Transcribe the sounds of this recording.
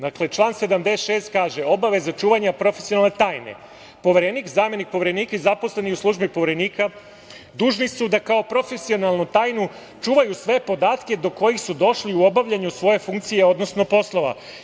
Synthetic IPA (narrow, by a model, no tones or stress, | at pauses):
d̪akle̞t͡ʃlˠaːnsed̪amd̪esʃe̞ːst̪kaːʒe̞o̞baʋe̞zat͡ʃuːʋaɲapɾo̞fesionalnet̪aːjne̞̰ | po̞ʋe̞ɾenikzaːme̞nik̚po̞ʋeɾe̞niːkaizapo̞sle̞niuslˠuʒbipo̞ʋeɾe̞niːka | d̪uːʒnisud̪akao̞pɾo̞fe̞sio̞nalˠnut̪aːjnu | t͡ʃuːʋajusʋe̞po̞d̪aːt̪ke̞d̪o̞ko̞jixsud̪o̞ʃliuobaʋʎaɲusʋo̞je̞fuŋkt̪sije̞o̞d̪no̞sno̞po̞slˠo̞ʋa̰